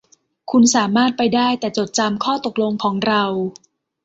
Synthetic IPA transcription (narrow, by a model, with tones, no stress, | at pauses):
kʰu˧nsaː˩˦maː˥˩t̪̚pa˧jdaː˥˩jt̪ɛː˨˩t͡ɕo˨˩t̪̚t͡ɕa˧mkʰɔː˥˩t̪o˨˩k̚lo˧ŋkʰɔː˩˦ŋɾa˧w